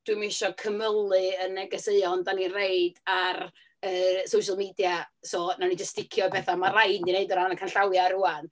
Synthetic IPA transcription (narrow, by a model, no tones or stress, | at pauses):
d̥wimɪʃɔkʰəməlˠɨənɛɡəseɨɔndaninreɨd̥ar | əsowʃalˠmiːdjasoːnanid͡ʒəstd̥ɪkʰjɔbɛθamarajndineɨdɔɾanəkʰanɬawjaɾuan